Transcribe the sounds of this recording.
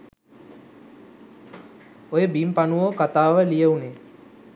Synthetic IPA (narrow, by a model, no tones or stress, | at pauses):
ojebimpanuʋokat̪aːʋəlijəune